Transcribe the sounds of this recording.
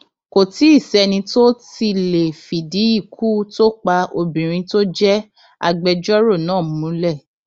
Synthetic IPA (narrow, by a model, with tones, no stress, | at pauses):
ko˨ti˨˦i˦˨sɛ˨˧nĩ˧to˦ti˧le˨fi˨di˨˦i˦˨kʰu˦to˦k͡pa˧o˧bĩ˨ɾ̃ĩ˧to˦d͡ʒɛ˦ | a̰˧ɡ͡bɛ˧d͡ʒɔ˦ɾo˦˨nãː˦˨˦mũ˨˦lɛ˦˨